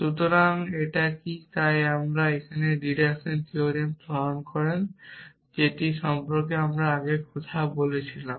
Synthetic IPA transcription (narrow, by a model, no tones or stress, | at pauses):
ʃut̪oɾaŋeʈakit̪ajamɾaekʰaneɖiɾekʃont̪ioɾienpɾoaonkɔɾen | d͡ʑeʈiʃɔmpoɾkeamɾaaɡekɔt̪ʰabolet͡ɕʰilam